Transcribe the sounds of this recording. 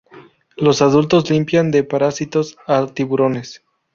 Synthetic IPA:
lo̞saðult̪o̞zlimpjand̪e̞paɾasit̪o̞sat̪iβuɾo̞nes

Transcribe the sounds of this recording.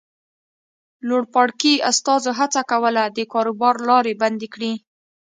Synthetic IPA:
loɽpɑɽkiast̪ɑzoɦat͡sakawəlad̪əkɑɾobɑɾlɑɾeband̪ekɽi

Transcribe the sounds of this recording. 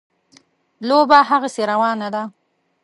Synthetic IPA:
lobaɦaɣaseɾawɑnad̪a

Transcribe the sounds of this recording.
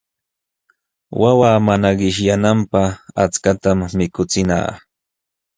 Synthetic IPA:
wawaːmanaɢɪʃjanampaχat͡skat̪amːɪkʊt͡sɪna̰ː

